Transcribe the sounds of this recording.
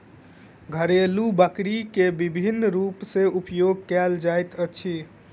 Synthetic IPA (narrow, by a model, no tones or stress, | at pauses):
ɡʱəɾelubəkɾikebibʱinːɾupsẽupjoɡ̚kɛld͡ʒajt̪ət͡ʃʰi